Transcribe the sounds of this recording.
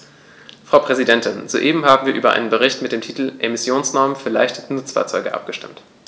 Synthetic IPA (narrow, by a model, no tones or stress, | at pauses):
fʁ̥aʊpʁ̥ɛzidɛntɪnzo̰ːʔeːbm̩ɦaːbm̩viːɐʔyːbɐ̰ʔa̰ɪnənbəʁ̞ɪçtmɪt̚d̥eːmtʰiːtl̩ʔemɪsjoːnsnɔɐmənfyːɐla̰ɪçtə̥tənʊt͡sfa̰ːɐt͡sɔʏɡəʔa̰p̚ɡ̥əʃtɪmt